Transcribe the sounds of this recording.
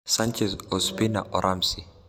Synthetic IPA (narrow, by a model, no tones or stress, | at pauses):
sant͡ʃɛzɔspina̰ʔɔɾʔamsi